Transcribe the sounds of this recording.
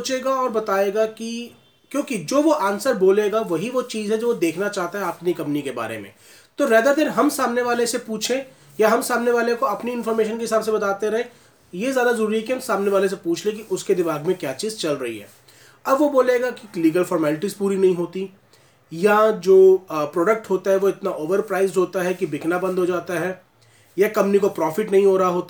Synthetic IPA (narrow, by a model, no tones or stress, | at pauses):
t͡ʃeːɡaɔːɾbɐt̪aːeːɡaki | kjõːkid͡ʒoːʋoʔaːnsəɾboːleːɡaʋɐɦiʋot͡ʃiːzɦɛd͡ʒoːʋod̪eːkʰnat͡ʃaːɦt̪aɦɛaːpnikɐ̃mpnikeba̰ːɾḛmḛ̃ | t̪oɾɛːd̪əɾd̪eːɾɦɐmsaːmneʋaːlesepuːt͡ʃʰẽ | jaɦɐmsaːmneʋaːlekoɐpniɪnfɔːɾmeːʃ̬ənkeɦɪsaːbs̬ebɐt̪aːt̪eɾɐɦẽ | jezjaːd̪azɐɾuːɾiɦɛkiɦɐmsaːmneʋaːles̬epuːt͡ʃʰlẽkiʔʊsked̪ɪmaːɡmẽkjaːt͡ʃiːzt͡ʃɐlɾɐɦḭɦɛ̰ː | ɐbʋoboːleːɡakiliːɡəlfɔːɾmɛːlɪʈizpuːɾinɐɦĩɦoːt̪i | jad͡ʒoːpɾoːɖək̚ʈɦoːt̪aɦɛʋoɪt̪naʔoːʋəɾpɾaːɪzɦoːt̪aɦɛkibɪknabɐ̃nd̪ʱɦod͡ʒaːt̪aɦɛː | jakɐ̃mpnikopɾɔːfɪʈnɐɦĩɦoːɾɦaɦoːt̪a